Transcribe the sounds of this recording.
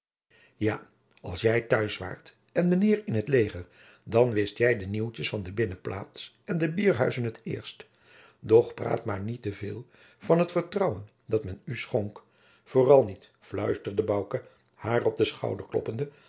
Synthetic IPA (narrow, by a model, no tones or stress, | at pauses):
jaː | ɑ̰lˠsjɛjtœɥsʋa̰ːɹt | ɛnmənɪːɹɪnɦətlejχəɹ | dɑnʋɪstjɛjdəniwt͡ʃəsfɑndəbɪnəplʔa̰ːts | ɛndəbiːɹɦœɥzənɦətɪ̰ːɹst | dɔχpra̰ːtmaːɹnitəvɪːlˠ | v̥ɑnɦətfəɹtrɑwən | dɑtmɛnysχɔŋk | foːrɑlˠnit | flœɥstəɹdəbʌwkə | haːrɔb̚dəsχɑ̰wdəɹklɔ̰pəndə